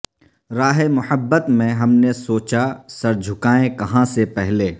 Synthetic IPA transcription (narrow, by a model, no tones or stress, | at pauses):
ɾaːɦemʊħəbːət̪mẽɦɐmnesoːt͡ʃasɐɾd͡ʒʱʊkaːẽkɐɦãsepɛɦleː